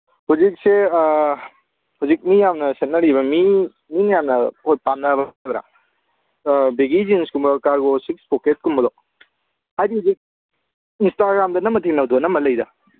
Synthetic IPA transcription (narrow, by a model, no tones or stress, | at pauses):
huzik̚se | huzik̚mijamnɐset̚nːɐɾiβɐmi | minɐjamnɐopamnabɐdɾa̰ | beɡid͡ʒinskumbɔkaɾɡosikspɔket̚kumbɔlɔ | adihuzik̚ | instaɡɾamdɐnɐmːɐtʰinɐwd̪uɐnɐmɐlɐjdɐ̰